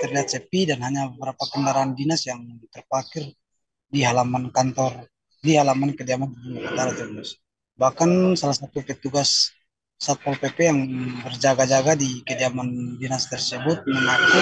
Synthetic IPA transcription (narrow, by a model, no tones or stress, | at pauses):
t̪ərnɛt̪̚t͡ʃɛpidanɦaɲabəbəɾapakəndaɾaːndinasjaŋt̪ərpakɪr | diɦalamankant̪ɔr | diɦalamankədiamanbuŋakət̪aɾad͡ʒɔnas | bahkansalasat̪upət̪uɡasː | at̪̚pɔlpɛpɛjaŋbərd͡ʒaɡad͡ʒaɡadikədiamandinast̪ərsəbut̪̚mənaɾ